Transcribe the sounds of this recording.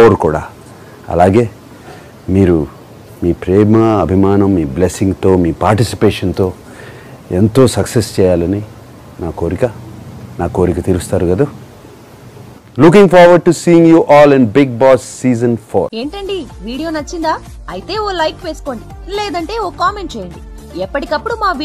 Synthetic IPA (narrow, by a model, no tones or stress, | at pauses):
oɾkuːɽa̰ː | ɐ̰laːɡe̞ː | miːɾu | miːpɾɛːmɐɐbʱimaːnɐmːiːblesiŋɡt̪o̞ːmiːpaːɾʈisi̥peːʂɐnt̪o̞ː | e̞nt̪o̞ːsɐksest͡ʃɛːjaːlɐni | naːko̞ːɾikɐnaːko̞ːɾikɐt̪iɾust̪aːɾuɡɐd̪a | luk̬iŋɡfʰaːɾʋɐɖ̚ʈusiːiŋɡjuːʔɔːlinbiɡ̚baːsːiːzɐnpʰoːe̞ːɳʈɐɳɖiʋiːɽijo̞ːnɐt͡ʃːind̪aː | ɐjit̪e̞ːoːlɐjkʋe̞ːsu̥ko̞ːɳɖi | leːd̪ɐɳʈe̞ːoːkaːme̞ɳʈ̚t͡ʃɛːjɐɳɖi | ɛpːɐʈikɐpːuɽumaːʋ